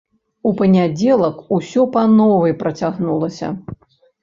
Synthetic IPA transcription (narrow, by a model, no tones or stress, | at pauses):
upɐnʲad͡zʲɛlˠɐkusʲɔpɐnɔvɨjpɾɐt͡sʲaɣnulˠɐsʲɐ̰